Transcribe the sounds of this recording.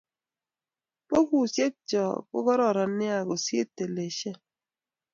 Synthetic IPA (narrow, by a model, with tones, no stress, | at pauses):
po˦ku˦˨sje˦t̚t͡ʃɔ̰˨kʊ̰˦kɔ˦ɾɔ˦˨ɾa˨nɪ˦a˨ɡo˨sjḛ˦tːe˨le˨ʃe˦